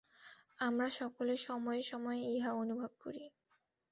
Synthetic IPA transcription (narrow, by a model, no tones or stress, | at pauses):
amɾaʃɔkoleɾʃɔmɔeʃɔmɔeiɦaonubʱob̚ko̰ɾi